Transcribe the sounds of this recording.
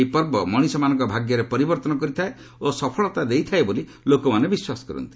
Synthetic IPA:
ipɔɾbɔmɔɽ̃isɔmanɔŋkɔbʱaɡjɔɾepɔɾibɔɾt̪ɔnɔkɔɾit̪ʰae | osɔpʰɔɭɔt̪ad̪ejt̪ʰaeboli | lokɔmanebiswasɔ̥kɔɾɔ̰nt̪i̥

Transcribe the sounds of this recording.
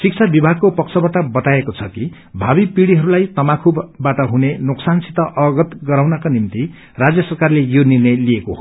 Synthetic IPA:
sik̚t͡sʰabibʱaɡ̚kopʌkt͡sʰʌbaʈʌbʌt̪aekot͡sʰʌki | bʱabipiɽiɦʌɾulajt̪ʌmakʰubːaʈʌɦunenoksansit̪ʌʔʌɡʌt̪ɡʌɾawnakanimt̪i | rad͡zjʌsʌrkarlejonirnʌjliekoɦo

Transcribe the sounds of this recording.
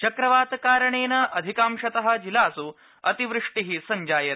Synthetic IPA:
t͡ʃɐkɾɐʋaːt̪kaːɾɐɳeːnɐʔɐd̪ʱikaːmʃɐt̪ɐɦɐ̆d͡ʒilaːsu | ɐt̪iʋɾɨʂʈiɦisɐɲd͡ʒaːjɐt̪

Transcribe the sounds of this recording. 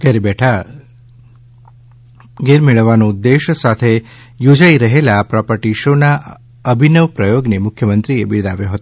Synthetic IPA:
ɡəɾebɛʈʰa | ɡeɾmeɭəʋːanõd̪ːeʃəsat̪ʰe | jod͡ʒaiɾəɦelapɾɔpəʈiʃona | əbʱinəʋpɾəjoɡnemʊkʰjəmənt̪ɾiebiɭd̪aʋjoɦət̪o

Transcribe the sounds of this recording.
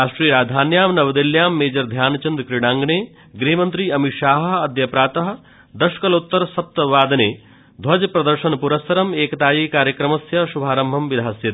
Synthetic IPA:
aːʃʈɾiːɾaːd̪ʱaːnjaːmnɐʋɐd̪iljaːmːeːd͡ʒɐɾd̪ʱjaːnɐt͡ʃɐnd̪kɾiɽaːŋɡneː | ɡɾeɦimɐnt̪ɾiːɐmiʃaːɦɐ̆ɐd̪jɐpɾaːt̪ɐɦɐ | d̪ɐʃkɐlut̪ːɐɾsɐp̚t̪ɐʋaːd̪ɐneː | d̪ʱʋɐd͡ʒpɾɐd̪ɐɾʃɐnpuɾɐsɐɾɐmeːkɐt̪aːjiːkaːɾjɐkɾɐmɐsjɐʃubʱaːɾɐmbʱɐmʋid̪ʱaːsjɐt̪

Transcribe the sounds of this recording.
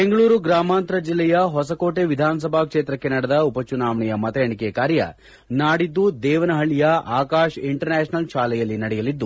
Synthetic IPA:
beŋɡɐɭuːɾuɡɾaːmaːnt̪ɾɐd͡ʒilːɛjɐɦɔsɐko̞ːʈe̞ʋid̪ʱaːnɐs̬ɐbʱakʂeːt̪ɾɐkːenɐɽɐd̪ɐupɐt͡ʃunaːʋɐɳɛjɐmɐt̪ɐjɐɳikekaːɾjɐ̰ | naːɽid̪ːud̪ɛːʋɐnɐɦɐɭːijɐaːkaːʃiɳʈɐɾnaːʃnɐlʃaːlɛjɐlːinɐɽɛjɐlid̪ːu

